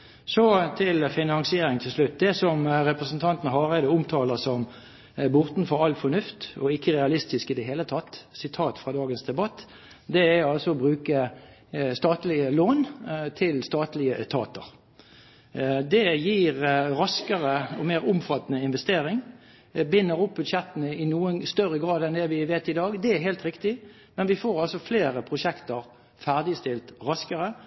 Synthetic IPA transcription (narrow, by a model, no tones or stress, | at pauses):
sɔt̪ʰɪlfɪnɑŋsɪeːɾɪŋt̪ʰɪlslʉt̪̚d̪ɛsɔmɾɛpʁəsən̩t̪ʰɑnt̪n̩ɦɑːʁɛd̪ɛʊmt̪ʰɑːləsɔm | bɔʁt̪n̩fɔɾɑlfɔnʉft̪ɔɪkːəʁɛɑlɪst̪ɪskɪd̪ɛɦeːlət̪ʰɑt̪ːsɪt̪ʰɑːt̪fʁɑd̪ɑːɡənsd̪ɛbɑt̪ː | d̪ɛæɑlsɔɔbʁʉːkə | st̪ɑːt̪lɪəloːnt̪ʰɪlst̪ɑːt̪lɪət̪ʰɑ̰ːt̪ə̰ɾ | d̪ɛjiːʁʁɑskəʁəɔmeːʁʊmfɑt̪ːnəɪnʋɛst̪eːʁɪŋ | bɪnːəʁʊp̚bʉd̪ʃɛt̪ːənəɪnuːənst̪œʁəɡʁɑːd̪ɛnd̪ɛʋɪʋeːt̪ɪd̪ɑːɡd̪ɛæɾɦɛːlt̪ʁɪkt̪ɪ | mɛnʋɪfoːɾɑlsɔfleːʁəpʰɾʊʃɛkt̪əɾ | fæʁd̪ɪst̪ɪlt̪ʁɑskəʁə